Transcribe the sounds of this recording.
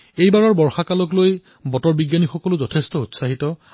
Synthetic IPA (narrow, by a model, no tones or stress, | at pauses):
ejbaɹɔɹbɔɹxakalɔkloj | bɔtɔɹbiɡjanixɔkɔlʊzɔtʰestɔutsaɦitɔ